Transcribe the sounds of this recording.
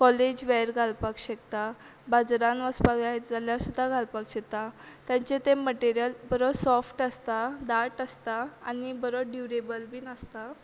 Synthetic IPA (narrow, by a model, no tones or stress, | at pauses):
kɔled͡ʑʋɛɾɡʱalpakɕekt̪a | bad͡zɾãnʋəspaɡlaɦet̪d͡zaljasud̪ʱːaɡʱalpakɕet̪at̪jãɲt͡ɕet̪eməʈeɾjəlbəɾosɔfʈəst̪ad̪aʈəst̪aa̰nibəɾoɖjuɾebəlbʱiːnəst̪a